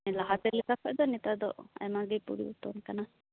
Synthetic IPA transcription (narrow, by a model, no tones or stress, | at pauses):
ɛlaɦat̪ɛlikakʰɔʔd̪ɔnit̪ad̪ɔ̰ʔa̰jmaɡipṵɾiut̪ɔnkana